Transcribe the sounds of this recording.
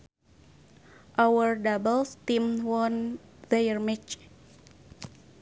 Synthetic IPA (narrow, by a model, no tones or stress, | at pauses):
ʔawərdabəlst̪imwɔnðəjərmit͡ʃ